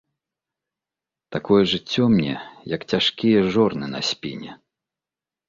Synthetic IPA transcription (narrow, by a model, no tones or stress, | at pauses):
t̪akɔjɛʐɨt͡sʲːɔmnʲɛ̰jɐkt͡sʲaʂkʲijɛʐɔrnɨnɐ̰sʲpʲinʲɛ